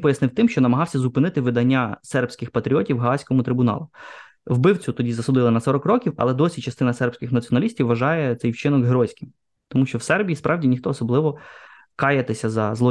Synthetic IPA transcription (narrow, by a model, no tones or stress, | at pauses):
pɔjɐsnɪwt̪ɪmʃt͡ʃɔnɐmɐɦɑwsʲɐzʊpɪnɪt̪ɪʋɪd̪ɐnʲːasɛrpsʲkɪxpɐt̪ɾʲiɔtʲiwɦɐɑsʲkɔmʊt̪ɾɪbʊnɑ̰lˠʊ | wbɪwt͡sʲʊt̪ɔdʲizɐsʊd̪ɪlˠɐnɐsɔɾɔkrɔkʲiwɐ̰lˠɛd̪ɔsʲit͡ʃɐst̪ɪnɐsɛrpsʲkʲɪxnɐt̪t͡sʲiɔnɐlʲisʲtʲiwːɐʒɑjɛt̪ɛjwt͡ʃɪnɔɡɦɾɔsʲkʲim | t̪ɔmuʃt͡ʃɔwsɛrbʲijispɾʔɑwdʲinʲixt̪ɔːsɔblˠɪʋɔ | kɑjɐt̪ɪsʲɐzɐzlˠɔ